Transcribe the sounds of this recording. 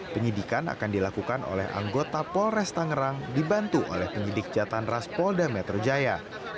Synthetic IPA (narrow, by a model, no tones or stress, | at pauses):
pəɲidikana̰kandilakukano̰lɛha̰ŋɡot̪apɔlrɛst̪aŋəɾaŋdibant̪uʔo̰lɛhpəɲidik̚d͡ʒat̪anraspɔldamɛt̪ɾod͡ʒaja